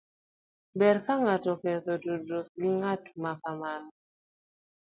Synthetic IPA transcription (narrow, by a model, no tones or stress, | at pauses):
bɛɾkaŋatɔkɛt̪ododok̚ɡiŋatmakaman